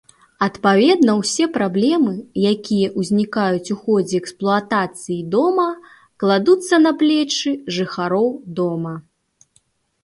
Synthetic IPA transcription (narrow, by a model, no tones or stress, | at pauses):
ɐt̪pavʲɛd̪nɐwsʲɛpɾablʲɛmɨjakʲijɐʔuzʲnʲikajut͡sʲuxɔd͡zʲɛɛksplˠuat̪at̪sɨjid̪ɔmɐ | klˠad̪ut̪sːɐnɐplʲɛt͡ʂɨʐɨxaɾɔwd̪ɔmɐ